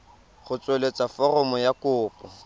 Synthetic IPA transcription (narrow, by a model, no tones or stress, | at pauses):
χʊt͡sʼwelet͡sʼafɔrɔmɔjakʊːpʼɔ